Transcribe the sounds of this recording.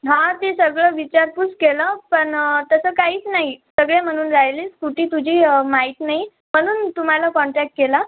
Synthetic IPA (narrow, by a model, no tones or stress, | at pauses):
ɦãt̪esəɡɭəʋit͡ɕaɾput͡skeləpəɳt̪əsəkaɦiːt͡snaɦisəɡɭem̤əɽ̃uːnɾajliːskuʈʰiːt̪ud͡ʑʱiːmaɦiːt̪naɦi | m̤əɽ̃uːnt̪um̤alakɔɳʈɾɛk̚ʈ̚kela